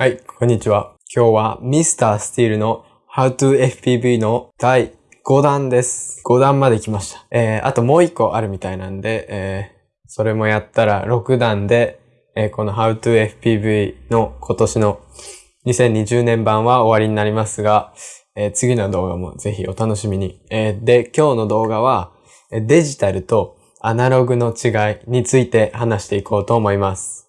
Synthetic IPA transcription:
haikʰõ̞ɲ̟ːit͡ɕiβa | kʲʰo̞ːβamʲisɨ̥t̪aːsɨ̥t̪ʲiːɾɯ̟no̞ | haɯ̟t̪ɯːeɸɯ̥pʲiːbɯino̞d̪̥ai | ɡ̥o̞d̪ãnd̪e̞sɨ̥ɡ̥o̞d̪ãmmːad̪e̞kʲimaɕi̥t̪ḁeːa̰t̪o̞mo̞ːikːo̞ʔaɾɯ̟mʲit̪ainãnd̪e̞ʔː | so̞ɾe̞mo̞jat̪ːaɾa̰ɾo̞kɯ̟d̪ãnd̪e̞ | ko̞no̞ɦaɯ̟t̪ɯːe̞ɸɯ̟̥pʲiːbɯ̟ino̞kʰo̞t̪o̞ɕino̞ | ɲ̟isẽ̞ɲ̟ːiʑɨːnẽ̞mbãɰ̃βao̞βaɾʲiɲ̟inaɾʲimasɨɡa | et͡sɨɡʲino̞d̪o̞ːɡa̰mo̞̰ze̞çio̞t̪ano̞ɕimʲiɲ̟ied̪e̞kʲo̞ːno̞d̪o̞ːɡaβ̞a | ed̪e̞ʑit̪aɾɯ̟t̪o̞ | anaɾo̞ɡɯ̟no̞t͡ɕiɡaiɲ̟it͡sɨit̪e̞hanaɕi̥t̪e̞iko̞ːt̪o̞ːmo̞imasɨ̥

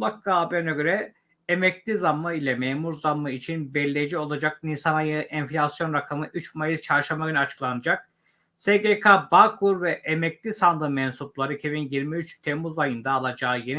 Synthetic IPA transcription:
lakːaːbinaɡø̞ɾɛ | emɛclʲizamːɯilʲɛmemuɾzamːɯit͡ʃʰinbɛlʲːejid͡ʒio̞lˠad͡ʒak̚ninsanajɯʔɛnflʲasjo̞nɾakʰamɯʔyt͡ʃmajɯz̥t͡ʃʰaɾʃamaɡʲynyat͡ʃʰɯ̥klˠanɯd͡ʒak̚ | seɡekʰabakʰuɾvɛʔemɛcʲlʲisand̪ɯmɛnsuplˠaɾɯcʰebinjiɾmiyt͡ʃt̪ʰemuzajɯnd̪aːlˠad͡ʒaːjen

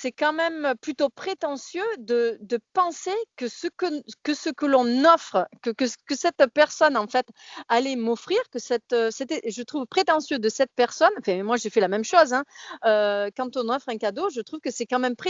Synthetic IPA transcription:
sɛkɑ̃mɛmøplyt̪opχet̪ɑ̃sjød̪əd̪əpɑ̃sekəsəkkəsəkəlɔ̃nɔfχəkəkəkəsɛt̪pɛʁsɔnɑ̃fɛt̪alɛmɔfχiʁkəsɛt̪øset̪ɛʒət̪χuvpχet̪ɑ̃sjød̪əsɛt̪̚pɛʁsɔnɑ̃fɛ̃mwaʒefɛlamɛmʃozɛ̃økɑ̃t̪ɔ̃nɔfχɛ̃kad̪oʒət̪χuvkəsɛkɑ̃mɛmpχe

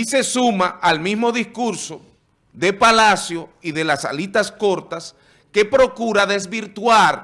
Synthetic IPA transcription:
ise̞sumaʔalmismo̞ðiskuɾso̞ | ðe̞palasjo̞iðe̞lasa̰lit̪asko̞ɾt̪as | ke̞pɾo̞kuɾaðe̞s̬βiɾt̪waɾ

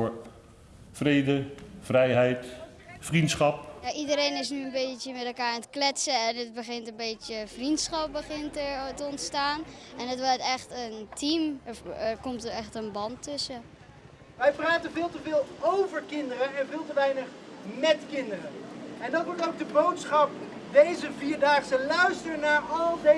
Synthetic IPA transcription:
ɹ | frejdəvrɛjɦɛjt | frintsχɑp̚jaʔidəɾejnɪsnyənbejtəmɛtɛlˠkaːɹɛntə̥klɛtsəɛnətbəɣɪntənbeːt͡ʃjəfrintsχɑp̚bəχɪntətəɔntstaːnɛnətʋɔtɛχtəntʰimfəkɔmtəɛχtənbɑntʰːʏsə | ʋɛjpraːtənvɪːlˠtəvɪːlˠowvəɹkɪndərənɛnvɪːlˠtəʋɛjnəχmɛtkɪndərəɛndɑtʋɔtowk̚dəbowtsχɑp | ʋejzəviːɹdaːχsəlœɥstəɹnaːɹɑlˠde

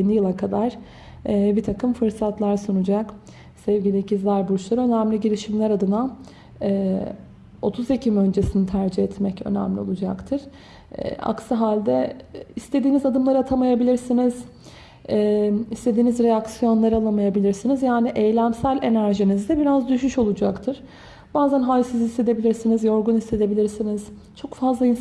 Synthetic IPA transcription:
inijɯlˠakʰad̪aɾ̥ː | bit̪ʰakɯmfɯɾsat̪lˠaɾsunud͡ʒak | sɛvɡɟilʲecizæɾbuut͡ʃlˠaɾø̞næmlʲiɟelʲiʃimlʲæɾad̪ɯna | ɛː | o̞t̪ʰuzecʰimø̞nd͡ʒe̞sinit̪ʰæɾd͡ʒihɛt̪mɛcø̰næ̰mlʲio̞lˠud͡ʒakt̪ʰɯɾ̥ | ɛ̰a̰ksaɦalʲd̪ɛist̪ʰe̞d̪iːnizad̪ɯmlˠaɾɯat̪ʰamajabilʲiɾsiniz̥ | ɛːist̪ʰe̞d̪iːnizɾejaksijo̞nlˠaɾalˠamajabilʲiɾsinizjaːniʔejlʲæmsælʲe̞næɾʒinizd̪ɛbiɾazd̪yʃyʃo̞lˠud͡ʒakt̪ʰɯɾ̥ | b̥aːzænɦalʲsɯzist̪e̞d̪e̞bilʲiɾsinizjo̞ɾɡunist̪e̞d̪e̞bilʲiɾsiniz̥ | t͡ʃʰo̞kfazlˠain

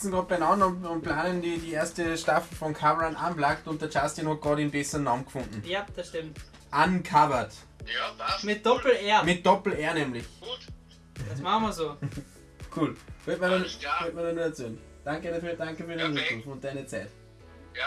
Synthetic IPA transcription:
t͡sn̩ɡ̥ʁoːt̚b̥ɛɪnɑnʊnʊnt̚pʰlaːnəndidiːeɐstəʃtafl̩fɔnkʰabəʁanʔa̰nblaktʊnt̚d̥əɐt͡ʃastinhɔt̚ɡ̥ʁɑːɾɪnbɛsənɑːmɡ̥fʊ̃ndn̩jad̥ɐsʃtɪmt | ʔankʰavɐt | mɪt̚d̥ɔpl̩eːɐmɪt̚d̥ɔpl̩eːɐnɛmlɪç | d̥asmaχmɐzoː | kʰuːlʋytmiɐdnʋøtmiɐdɑnuːəɐt͡seːn | d̥aŋkəɾafyːɐd̥aŋkəfyɐɾæɪnʁɪtufʊnt̚d̥æɪnət͡sæɪt

